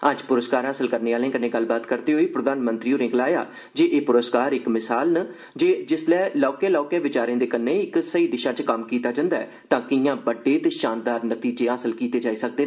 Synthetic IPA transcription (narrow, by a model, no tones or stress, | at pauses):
əd͡ʒpʊɾəskaːɾaːsəlkəɾneːaːlẽːkənẽːɡəlːbaːt̪kəɾd̪eːɦoːiːpɾəd̪aːnmənt̪ɾiːõːɾɪ̃ːŋklaːja̰ː | d͡ʒeːʔeːpʊɾəskaːɾɪkmɪsaːlnə | d͡ʒeːd͡ʒɪslɛːlɔːkeːlɔːkeːʋɪt͡ʃaːɾẽːd̪eːkənẽːɪksəiːd̪ɪʃãːt͡ʃkəmkiːt̪aːd͡ʒə̃ːnd̪aːɛ̰ː | t̪ãːkɪjãːbəɖːeːt̪eːʃaːnd̪aːɾnət̪iːd͡ʒeːaːsəlkiːt̪eːd͡ʒaːiːsək̚d̪eː